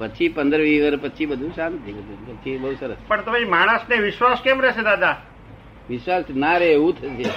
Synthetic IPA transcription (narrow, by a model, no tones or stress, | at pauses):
pət͡ʃʰipənd̪ɾəʋiʋəɾpət͡ʃʰibəd̪ʱũʃãnt̪ʰiəd̪upət͡ʃʰibəɦusəɾəspəɳt̪əemaɽ̃əsneʋɪʃʋaskemɾɛʃed̪ad̪a | ʋɪʃʋasnaɾeũt̪ʰəʃe